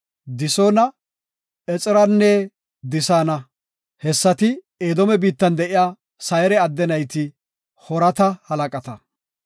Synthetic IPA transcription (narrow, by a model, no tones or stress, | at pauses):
d̪ɪsoːnɐ | ɛt͡sʼɪɾɐnːɛ | d̪ɪsaːnɐ | hɛsːɐt̪ɪ | eːd̪ɔmɛbiːt̪ːɐnd̪ɛʔɪjaː | sɐjɛɾɛɐd̪ːɛnɐjt̪ɪ | hɔɾɐt̪ɐhɐlɐkʼɐt̪ɐ